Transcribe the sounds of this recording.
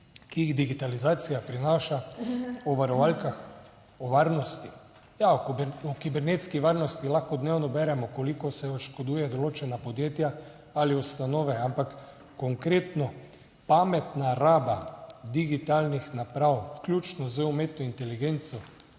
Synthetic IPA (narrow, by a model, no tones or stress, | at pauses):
kijiɣd̪iɡit̪alizaːt̪sijapɾinaːʃaɔʋaɾɔʋalkax | ɔʋaɾnɔst̪i | jaɔɔkibɛɾneːt̪skiʋaɾnɔst̪ilaxkɔd̪newnɔbɛɾɛmɔkolikɔsɛɔʃkod̪uːjɛd̪ɔloːt͡ʃɛnapod̪jeːt̪ja | aliust̪anoːʋɛampakː | oŋkɾeːt̪nɔ | pamɛt̪naɾaːbad̪iɡit̪alnixnapɾawwklʲuːt͡ʃnɔzəumeːt̪nɔint̪ɛliɡent̪sɔ